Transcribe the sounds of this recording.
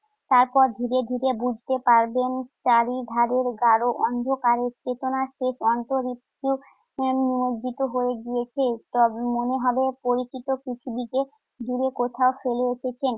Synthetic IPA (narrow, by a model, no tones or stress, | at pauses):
t̪aɾpɔɾd̪ʱiɾed̪ʱiɾebud͡ʑʱt̪epaɾbenʃaɾid̪ʱaɾeɾɡaɾoʔɔnd̪ʱokaɾeɾt͡ɕet̪onaʃeʃɔnt̪oɾit̪u | niodit̪oɦoeɡijet͡ɕʰet̪ɔmoneɦɔbepoɾit͡ɕit̪okɾit̪ʰibike | d͡ʑuɾekot̪ʰaofeleeʃet͡ɕʰen